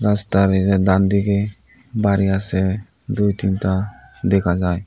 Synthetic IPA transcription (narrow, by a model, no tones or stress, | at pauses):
ɾast̪aɾɛɾɛd̪and̪iɡɛ | baɾijasɛ | d̪ujt̪int̪ad̪ɛkʰad͡ʒaj